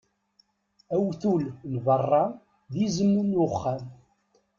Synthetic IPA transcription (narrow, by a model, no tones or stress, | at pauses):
æwθulnvɑrˤːɑ | ðizəmunʊχːæm